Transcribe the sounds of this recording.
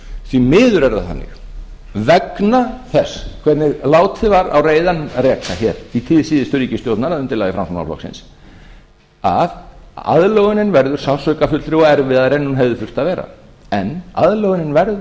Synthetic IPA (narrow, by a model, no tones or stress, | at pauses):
θvimɪːðʏɾɛɾða̰θa̰nːɪ̰x | vɛknaθɛskʰvɛɾt̪nɪɣlaːwt̪ʰɪvaɾa̰wreːjðanrɛkaçɛɾit̪ʰɪːðsiːðɪst̪ʏɾiːcɪst̪jowt̪naɾaðʏmt̪ʰɪlaðɪfɾa̰msɔna̰flɔ̰ksɪ̰ns | a̰ða̰ðlœɣʏnɪnvɛɾðʏɾ̥sawsœɥkafʏt̪lɾɪɔɣɛɾvɪðaðɾɛnːunɦɛvðɪfʏr̥t̪aðvɛːɾa̰ | ɛnːa̰ðlœɣɪnɪnvɛɾðʏ